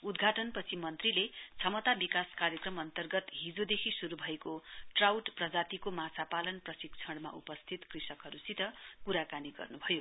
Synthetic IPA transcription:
ud̪ɡʱaʈʌnpʌt͡sʰimʌnt̪rilet͡sʰʌmʌt̪abikaskaɾjʌkrʌmʌnt̪ʌrɡʌt̪ɦid͡zod̪ekʰisuɾubʱʌekoʈrawʈprʌd͡zat̪ikomat͡sʰapalʌnprʌsikt͡sʰʌɽma̰ʔṵpʌst̪ʰit̪krisʌkɦʌɾusit̪ʌkuɾakaniɡʌ̰rnubʱʌjo

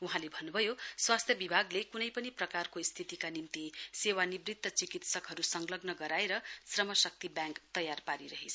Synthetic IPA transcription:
uɦãlebʱʌnːubʱʌjoswast̪ʰjʌbibʱaɡlekunʌjpʌniprʌkarkoist̪ʰit̪ikanimt̪isewanibrit̪ːʌt͡sikit̪sʌkɦʌɾusʌŋlʌɡnʌɡʌɾaeɾʌsrʌmʌsʌk̚t̪ibjãŋkt̪ʌjarpaɾiɾʌɦet͡sʰʌ

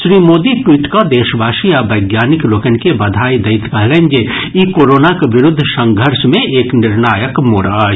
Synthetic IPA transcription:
ʃɾiːmoːd̪iʈwiːʈkad̪eːʃbʱaːʃiabɐɪɡjaːnɪkloːkənkebɐd̪ʱaːid̪ɐɪt̪kɐɦlẽnd͡ʒe | ikoːɾoːnakeʋɪɾʊd̪ʱːəsɐ̃ŋɡʱəɾsmẽʔeːknɪɾnaːjəkmoːɽa

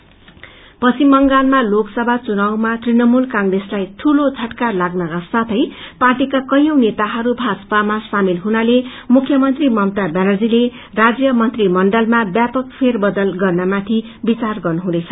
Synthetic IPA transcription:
pʌsimːʌŋɡanmaloksʌbʱat͡sunawmat̪rinʌmulkaŋɡreslajt̪ʰulot͡sʰʌʈkarlaɡnʌkasat̪ʰʌjparʈikakʌjʌ̃wnet̪aɦʌɾubʱad͡zpamasamilɦunalemukʰjʌmʌnt̪rimʌmt̪abanʌrd͡zile | rad͡zjʌmʌnt̪rimʌɳɖʌlmabjapʌk̚pʰerbʌd̪ʌlɡʌrnamat̪ʰi | bit͡sarɡʌrnuɦũd̪et͡sʰʌ

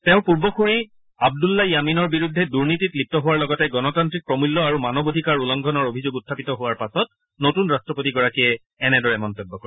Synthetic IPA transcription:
tɛʊ̃puɹbɔxuɹi | ab̚dulːajaminɔɹbiɹudʱːɛduɹnititlip̚tɔɦʊwaɹlɔɡɔtɛɡɔnɔtantɹik̚pɹɔmulːɔaɹumanɔbodʱikaɹulɔŋɡʱɔnɔɹobʱizoɡutʰːapitɔɦʊwaɹpasɔt | notunɹastɹɔpotiɡɔɹakijɛ | ɛnɛdɔɹɛmɔntɔbːɔkɔɹ

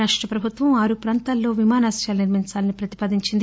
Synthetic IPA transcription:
aːʂʈɾɐpɾɐbʱut̪ʋɐmaːɾupɾaːnt̪aːlːo̞ːʋimaːnaːsjaːlɐniɾmiɲt͡ʃaːlɐnipɾɐt̪i̥paːd̪iɲt͡ʃind̪i

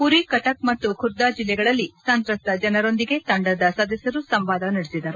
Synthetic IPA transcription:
puɾikɐʈɐk̚mɐt̪ːukʰuɾd̪aːd͡ʒilːɛɡɐɭɐlːisɐnt̪ɾɐst̪ɐd͡ʒɐnɐɾo̞nd̪iɡe̞t̪ɐɳɖɐd̪ɐsaːd̪ɐsjɐɾusɐmʋaːd̪ɐnɐɽesid̪ɐɾu

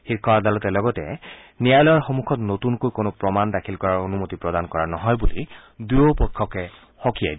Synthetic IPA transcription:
xiɹkʰɔad̪alɔtɛlɔɡɔtɛ̰ | nijajlɔjaɹxomukʰɔtnotunkojkonopɹɔmandakʰilkɔɹaɹonumotipɹɔdankɔɹanɔɦɔjbuli | dujopɔkʰːɔkɛ | xɔkia̰jd

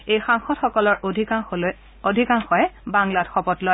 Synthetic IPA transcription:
ejxaŋxɔtxɔkɔlɔɹʱia | odʱikaŋxɔɛbaŋladxɔpɔtlɔj

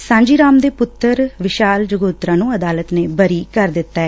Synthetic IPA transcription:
sãːɲd͡ʒiːɾaːmd̪eːpʊt̪ːəɾʋɪʃaːld͡ʒəɡoːt̪ɾãːnũːəd̪aːlət̪neːbəɾiːkəɾd̪ɪt̪ːaːɛː

